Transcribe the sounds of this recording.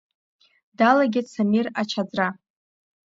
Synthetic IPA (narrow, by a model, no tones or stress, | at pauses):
dalaɡʲɪt͡sʰamirat͡ʃʰad͡zra